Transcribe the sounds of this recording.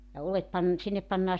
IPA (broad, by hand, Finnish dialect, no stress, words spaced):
jɑ olet pɑn sinːep pɑnːɑː